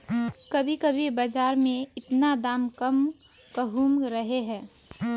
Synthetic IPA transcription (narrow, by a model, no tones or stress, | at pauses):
kəbʱikəbʱibəd͡ʒaːɾmẽɪt̪nad̪aːmkəm | kəɦuːmɾəɦeɦɛ̃ː